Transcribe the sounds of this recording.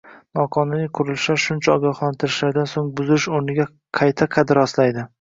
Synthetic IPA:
nɒqʰɒnɪnɪqʰʊɾɪlʃaɾʃʊnt͡ʃʰaɒɡʲɒχlant̪ʰɪɾɪʃlaɾd̪ansoŋbʊzɪɪʃoɾnɪɡʲa | qʰɑjt̪ʰaqʰɑd̪ɪɾɒslajd̪ɪ

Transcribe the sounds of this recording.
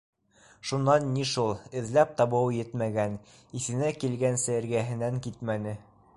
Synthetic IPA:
ʃunːɑnːiʃulˠɘ̆ðlæp̚t̪ɑβɤwjɘt̪mæɡæn | iθɘ̆nækilɡænsɘɘ̆ɾɡæɦɘ̆næŋkit̪mænɘ

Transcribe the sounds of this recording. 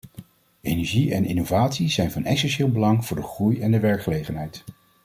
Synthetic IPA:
ejnɛɹʒiɛnɪnovaːtsizɛjnvɑnɛksɛnʃɪːlˠbəlɑŋv̥ʊːɹdəχrujɛndəʋɛɹkχəlejχənɦɛjt

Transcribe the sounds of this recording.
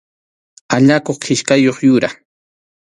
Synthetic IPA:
aʎakoχqʰɪʃkajoχjʊɾa

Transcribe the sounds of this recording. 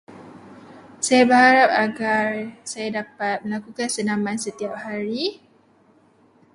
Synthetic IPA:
sajabəɦaɾap̚aɡarsajadapat̪̚məlakukansənãmãnsət̪iap̚haɾi

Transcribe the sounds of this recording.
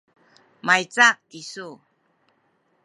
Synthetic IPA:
majt͡sak̚ːisu

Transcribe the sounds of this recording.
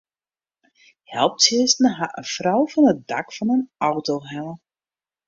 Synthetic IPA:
hɛlˠp̚tɪəstn̩əɦaʔəfrɔwvɑnət̚dakfɑnənɔwtoɦɛlə

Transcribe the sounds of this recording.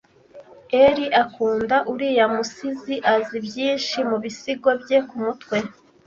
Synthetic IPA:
eɾiʔakuːndaʔuɾijamusiziʔazibjiːnʃimuβisiɡo̞bje̞kumutwe̞

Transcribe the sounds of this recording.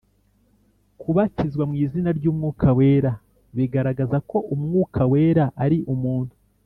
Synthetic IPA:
kʰuβacizɡwamŋiːzinaɾɟuːmŋuːkʰawe̞ːɾa | βiɡaɾaɡazako̞ʔumŋuːkʰaweːɾaʔaɾiʔumuːnhu

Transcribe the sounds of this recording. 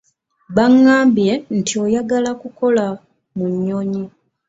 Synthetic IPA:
βaŋːaːmbje̞ntʰio̞jaɡalakuko̞la | muɲːoɲi

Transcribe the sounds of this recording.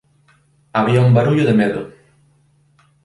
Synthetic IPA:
aβiaumbaɾuʎʊðemeðʊ̰

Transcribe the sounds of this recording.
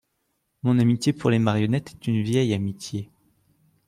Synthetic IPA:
mɔ̃namit̪jepuʁlemaʁjɔnɛt̪ɛ̥t̪ynvjɛjamit̪je

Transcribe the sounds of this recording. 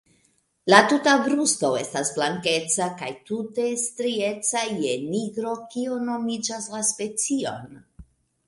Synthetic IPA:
latutabɾusto̞e̞stasblaŋke̞t͡sakajtute̞stɾie̞t͡sajeniɡɾo̞kio̞no̞mid͡ʒaslaspe̞t͡sio̞̰n

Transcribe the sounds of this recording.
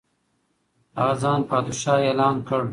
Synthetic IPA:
ɑːzɑːnpɑːd̪uʃɑːeːlɑːnkəɽ

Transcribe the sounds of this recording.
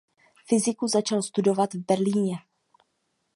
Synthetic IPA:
fɪzɪkuzat͡ʃalst̪udo̞vat̪vbɛɾliːɲɛ

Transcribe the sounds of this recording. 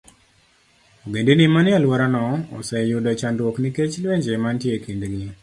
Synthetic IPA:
oɡendenimanɪalwɔɾanɔɔ̰sɛjʊdat͡ʃandwɔkniket͡ʃlweɲd͡ʒemantjekindɡi

